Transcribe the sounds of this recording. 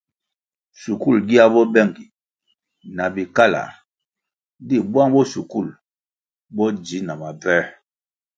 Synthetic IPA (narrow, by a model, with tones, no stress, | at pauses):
su˨ku˦˨lɡi˦a˦bɔ˦bɛ˦˨ŋɡi˨ | na˨bi˨ka˦la̰˨ | di˦˨bwa˦ŋbɔ˦su˨ku˦˨l | bɔ˦d͡ʒi˨˦na˨ma˨vɛ˦